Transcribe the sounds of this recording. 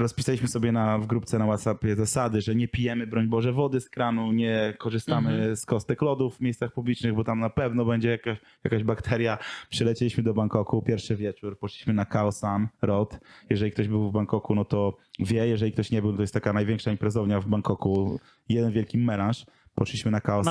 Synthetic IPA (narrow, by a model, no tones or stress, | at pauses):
ɾɔspʲisalʲiɕmɘsɔbʲjɛnavɡɾupt̪sɛnawat̪sapʲjɛzasad̪ɘʐɛɲɛpʲijɛmɘbɾɔɲbɔʐɛvɔd̪ɘskɾanuɲɛkɔʐɨst̪amɘskɔst̪ɛklɔd̪uvːmʲejst̪saxpublʲit͡ʂnɘɣbɔt̪amnapɛvnɔbɛɲd͡ʑɛjaka | jakaʑbakt̪ʰɛɾjapʂɛlɛt͡ɕɛlʲiɕmɘd̪ɔbaŋkɔkupʲjɛɾfʂɘvʲjɛt͡ʂuɾpɔʂliɕmɘnakaɔsanɾɔt̪jɛʐɛlʲikt̪ɔʑbɘwvbaŋkɔkunɔt̪ɔvʲjɛjɛʐɛlʲik̚t̪ɔɕɲɛbɘwnt̪ɔjɛst̪ːakanajvʲɛŋkʂaimpɾɛzɔvɲavbaŋkɔku | jɛd̪ɛnvʲjɛlkʲimːɛlãʂ | pɔʂliɕmɘnakaɔ